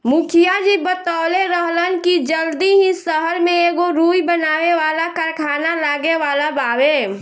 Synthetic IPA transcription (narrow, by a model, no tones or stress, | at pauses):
mʊkʰijad͡ʒibət̪aːleɾəɦlənkid͡ʒəld̪iɦĩsəɦəɾmẽeːɡoɾuːjbənaːweʋaːlakəɾkʰaːnalaːɡeʋaːlabaːwe